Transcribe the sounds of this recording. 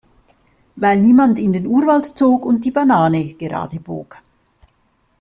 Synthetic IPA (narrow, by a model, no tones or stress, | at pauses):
vaɪlniːmantɪndeːnuːɐvaltt͡soːkʊnt̚d̥iːbanaːnəɡ̥əʁɑ̰ːdəbo̰ːk